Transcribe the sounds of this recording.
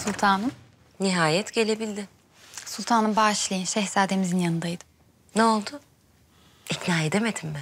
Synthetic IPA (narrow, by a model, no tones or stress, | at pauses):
sulʲˠt̪ʰaːnɯm | niɦaːjɛt̪ɟe̞lʲe̞bilʲd̪ɪ | sulˠt̪ʰaːnɯmbaʃlˠajɯnʃɛhsaːd̪e̞mizinjanɯnd̪ajd̪ɯ̥ | neolˠd̪ʊ | icnaːed̪emed̪immɪ